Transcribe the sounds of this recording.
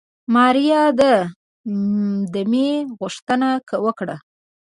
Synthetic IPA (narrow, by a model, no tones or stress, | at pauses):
mɑɾijɑd̪ə | d̪əmeɣʊʂt̪ənakəwəkɽa